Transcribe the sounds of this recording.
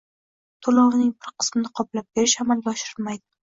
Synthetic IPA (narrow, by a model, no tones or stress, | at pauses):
t̪ʰolˠɒʁɨnɪŋbɪɾqʰɨ̥smɪnɪqʰɒplap̚b̥e̞ɾɪʃamalɡʲaɒʃɪɾɪlmajd̪ɪ